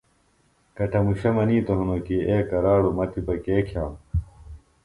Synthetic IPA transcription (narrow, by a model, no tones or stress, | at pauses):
kɐʈʰɐmuɕɐmɐniːt̪oɦunoːkiʔeːkɐɾaːɽumɐt̪ʰibɐkeːkʰjaːm